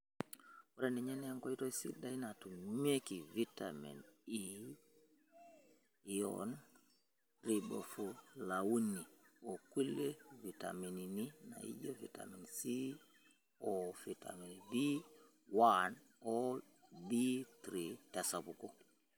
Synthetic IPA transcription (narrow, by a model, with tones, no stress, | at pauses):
wu˦ɾe˦ni˨ɲɛ˦ne˦ŋko˦i˦to˦i˦sḭ˦da˦i˦na˨tu˨me˦ki˨vi˦ta̰mḭ˨ni | jɔ̰n | ɾi˨bo̰˨fu˨la˨wu˦ni˨oki˦le˦vi˨ta̰mi˨ni˨ni˦na̰˨ḭ˦ɟo˦vi˨ta̰˨mi˨nsi˦ | ofi˨ta̰mi˨nbi˦ | wan | o˦ | bi˦t̪ɾita˨sa˨bu˨kɔ˦